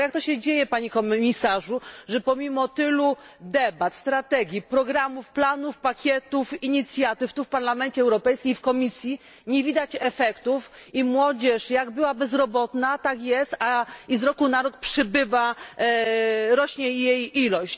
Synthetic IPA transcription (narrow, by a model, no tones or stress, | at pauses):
jak̚t̪ɔɕɛd͡ʑejɛpaɲikɔmmʲisaʐuʐɛpɔmʲimɔt̪ɘlud̪ɛbat̪st̪ɾat̪ɛɡʲjipɾɔɡɾamufplanufpakʲjɛt̪ufiɲit̪sʲjat̪ɘft̪ufpaɾlamɛnt͡ɕɛɛwɾɔpɛjskʲimfkɔmʲisʲji | ɲevʲid̪at͡ɕɛfɛkt̪ufimwɔd͡ʑɛʂjaɡbɘwabɛzɾɔbɔt̪nat̪akjɛst̪aizɾɔkunaɾɔk̪̚pʂɛbɘva | ɾɔɕɲɛjejilɔɕt͡ɕ